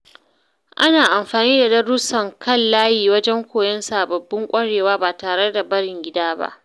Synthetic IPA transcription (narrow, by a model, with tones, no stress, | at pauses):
ʔa˦naː˨ʔa˨mɸaː˨niː˦da˨dɐ˦rɽʊ˦sɐ˨ŋkɐ˦˨lːaː˦jiː˨wɐ˦d͡ʒɛ˦ŋkʷoː˨jɐ˦nsa˨ʔbɐ˨bːɪ˦ŋkʷʼɐ˦ɽeː˨waː˦baː˨taː˨ɽe˦da˨bɐ˦ɽɪ˨ŋɡʲɪ˦daː˦ba̰˦ʔ